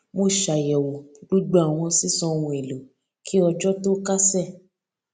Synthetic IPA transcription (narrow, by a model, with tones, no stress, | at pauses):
mo˧˨ʃa˨jɛ˨wo˨ɡ͡bo˦ɡ͡ba˦a˨w̃ɔ̃˧si˦sɔ̃˧wũ˧e˨lu˨˦ | kʰi˦ɔ˧d͡ʒɔ˦to˦ka˦sɛ˦˨